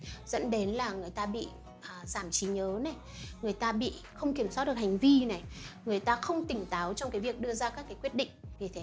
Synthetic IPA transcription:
z̥ə̰˧˥nɗe˨˦nlaː˨˩ŋɨ˨˩əjt̪aː˧ɓḭ˧˨ | ʔzaː˧˩mt͡ɕi˨˦ɲəː˨˦na˨˩j | ŋɨ˨˩əjt̪aː˧ɓḭ˧˨ | xə˧wŋ͡mki˧˩əmsaː˦˥t̚ɗɨ˨˩ə˩ha˨˩jŋ̟vi˧na˨˩jŋɨ˨˩əjt̪aː˧xə˧wŋ͡mt̪ï˨˩ŋ̟t̪aː˨˦wt͡ɕɔ˧wŋ͡mkaː˨˦jvi˨˩ək̚ɗɨ˧əzaː˧kaː˦˥kːaː˨˦jkwi˦˥ət̚ɗḭ˧˨ŋ̟vi˨˩t̪ʰe˨˦

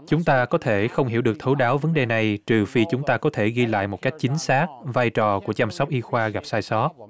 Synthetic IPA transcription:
t͡ɕʊ˨˦ŋ͡mt̪aː˧kɔ˨˦t̪ʰe˧˩xə˧wŋ͡mhi˧˩əwɗɨ˨˩ək̚t̪ʰwɗaː˨˦wvə˨˦nɗe˨˩na˨˩jt͡ɕɨ˨˩fi˧t͡ɕʊ˨˦ŋ͡mt̪aː˧kɔ˨˦t̪ʰe˧˩ɣi˧la̰ː˧˨jmo˨˩t̚ka˦˥jk̟̚t͡ɕï˨˦ŋ̟saː˦˥k̚vaː˧jt͡ɕɔ˨˩ku˧˩ət͡ɕaː˧msɔ˦˥wk͡p̚ʔi˧xwaː˧ɣa˨˩p̚saː˧jsɔ˨˦˥t̚

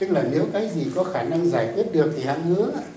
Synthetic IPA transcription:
ɲɨ˨˦ŋlaː˨˩ne˨˦wkaː˨˦jzi˨˩kɔ˨˦xaː˧˩na˧ŋzaː˧˩jkwi˦˥ət̚ɗɨ˨˩ək̚t̪ʰi˨˩ha̰˧˥nmɨ˨˦ə˧˦

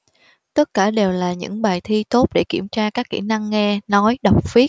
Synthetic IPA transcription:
t̪ə˦˥t̚kaː˧˩ɗe˨˩wlaː˨˩ɲɨ̰˧˥ŋɓaː˨˩jt̪ʰi˧t̪o˦˥t̚ɗḛ˧˩kḭ˧˩əmt͡ɕaː˧kaː˦˥kːḭ˧˩na˧ŋːɛ˧nɔ˨˦jɗa˨˩wk͡p̚fi˦˥ət̚

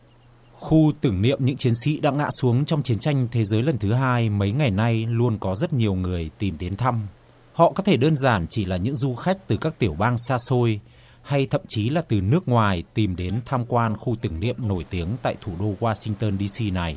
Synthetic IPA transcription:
xu˧t̪ɨ˧˩ŋnḭ˧˨əmɲɨ̰˧˥ŋt͡ɕi˨˦ənsḭ˧˥ɗa̰ː˧˥ŋa̰ː˧˥su˨˦əŋt͡ɕɔ˧wŋ͡mt͡ɕi˨˦ənt͡ɕa˧jŋ̟t̪ʰe˨˦zəː˨˦jlə˨˩nt̪ʰɨ˨˦ɦaː˧jmə˨˦jŋa˨˩jna˧jlu˧ənkɔ˨˦zə˦˥t̚ɲi˨˩əwŋɨ˨˩əjt̪i˨˩mɗe˨˦nt̪ʰa˧m | hɔ̰˧˨ʔkɔ˨˦t̪ʰe˧˩ɗəː˧nzaː˧˩nt͡ɕi˧˩laː˨˩ɲɨ̰˧˥ŋzu˧xa˦˥jk̟̚t̪ɨ˨˩kaː˦˥k̚t̪i˧˩əwɓaː˧ŋsaː˧so˧j | ha˧jt̪ʰə̰˧˨mt͡ɕi˨˦laː˨˩t̪ɨ˨˩nɨ˦˥ək̚ŋwaː˨˩jt̪i˨˩mɗe˨˦nt̪ʰaː˧mkwaː˧nxu˧t̪ɨ˧˩ŋnḭ˧˨əmno˧˩jt̪i˨˦əŋt̪a̰ː˧˨jt̪ʰu˧˩ɗo˧ɣwaː˧sï˧ŋt̪əː˧nɗi˧si˧na˨˩j

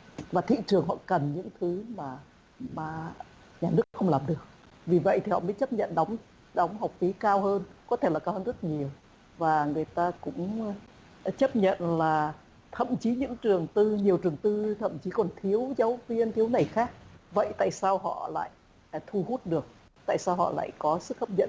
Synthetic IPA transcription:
vaː˨˩t̪ʰḭ˧˨t͡ɕɨ˨˩əŋɦɔ̰˧˨kə˨˩nɲɨ̰˧˥ŋt̪ʰɨ˨˦maː˨˩ | maː˨˩ | ɲaː˨˩nɨ˦˥əkxə˧wŋ͡mlaː˨˩mɗɨ˨˩ək̚ | vi˨˩və̰˧˨jt̪i˨˩hɔ̰˧˨məː˨˦jt͡ɕə˦˥p̚ɲə̰˧˨nɗɔ˨˦wŋ͡m | ɗɔ˨˦wŋ͡mɦa˨˩wk͡p̚fi˨˦kaː˧wɦəː˧nkɔ˨˦t̪ʰe˧˩laː˨˩kaː˧whəː˧nzə˦˥t̚ɲi˨˩əw | vaː˨˩ŋɨ˨˩əjt̪aː˧kʊ̰˧˥ŋ͡m | t͡ɕə˦˥p̚ɲə̰˧˨nlaː˨˩ | t̪ʰə̰˧˨mt͡ɕi˨˦ɲɨ̰˧˥ŋt͡ɕɨ˨˩əŋt̪ɨ˧ɲi˨˩əwt͡ɕɨ˨˩əŋt̪ɨ˧t̪ʰə̰˧˨mt͡ɕi˨˦kɔ˨˩nt̪ʰi˨˦əwzaː˨˦wvi˧ənt̪ʰi˨˦əwna˨˩jxaː˦˥k̚və̰˧˨jt̪a̰ː˧˨jsaː˧wɦɔ̰˧˨la̰ː˧˨j | t̪ʰu˧hu˦˥t̚ɗɨ˨˩ək̚ | t̪a̰ː˧˨jsaː˧wɦɔ̰˧˨la̰ː˧˨jkɔ˨˦sɨ˦˥k̚hə˦˥p̚ɲə̰˧˨n

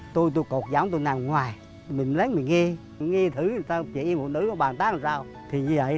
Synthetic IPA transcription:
t̪o˧jt̪o˧jko˨˩t̚za˨˦wŋ͡mt̪o˧jnaː˨˩mŋwaː˨˩j | mï˨˩ŋ̟lə˨˦nmï˨˩ŋŋi˧ | ŋi˧t̪ʰɨ˨˦˨saː˧t͡ɕi˨˦ʔi˧mo˨˩t̚nɨ̰˨˦ɔ˨˦ɓaː˨˩nt̪aː˦˥lsaː˧w | t̪ʰi˨˩ɲɨ˧və̰˧˨

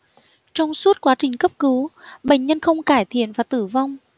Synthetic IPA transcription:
t͡ɕɔ˧wŋ͡msu˦˥t̚kwaː˨˦t͡ɕï˨˩ŋ̟kə˦˥p̚kɨ˨˦wɓə̰˧˨ŋ̟ɲə˧nxə˧wŋ͡mkaː˧˩jt̪ʰḭ˧˨ənvaː˨˩t̪ɨ˧˩va˧wŋ͡m

